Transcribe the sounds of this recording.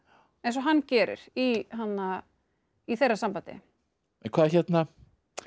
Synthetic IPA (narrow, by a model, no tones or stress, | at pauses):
ɛ̃ns̬ɔɦanːcɛːɾɪ̰ɾ̥iɦanːa | iθejrasampant̪ɪ̰ | ɛnkʰvaːðaçɛt̪na